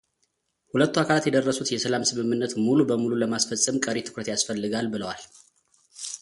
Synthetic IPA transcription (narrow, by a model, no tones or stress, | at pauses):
hulət̪ːuakʰalat̪jɛd̪ərːəsut̪jɛsəlamsɨmɨmːɨnːət̪mulubəmululəmasfəsʼɨmkʼəɾet̪ʰɨ̥kɾət̪jasfəlːɨɡalbɨləwal